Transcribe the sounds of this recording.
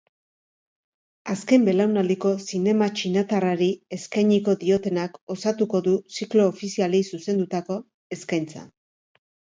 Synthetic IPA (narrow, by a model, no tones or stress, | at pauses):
aske̞mbe̞lawnald̪iko̞sine̞mat͡ʃinat̪araɾieskajɲiko̞ðio̞t̪e̞nako̞sat̪uko̞ðusiklo̞ːfisialejsuse̞nd̪ut̪ako̞ | e̞skajnt͡sa̰